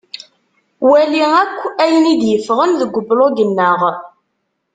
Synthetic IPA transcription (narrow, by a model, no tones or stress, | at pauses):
wæliækʷːæjənid̪jəfʁənðəɡʷːʊbloɡənːəʁ